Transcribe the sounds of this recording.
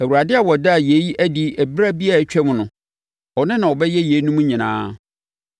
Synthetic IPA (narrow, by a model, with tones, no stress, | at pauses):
æ˨wu˨ɾa˨dɪ˦a˨wɔ˨da˦˨je˨˦ji˦ʔæ˦di˦ʔæ˨bɾa˦bi˦a˨t͡ɕᶣɛ˦mʊ̃˨nʊ̃˨ | ɔ˨nɪ̃˦nã˨wɔ˨bɛ˦jɛ˦je˨˦nũ˦mũ˦ɲĩ˨nã̰ː˦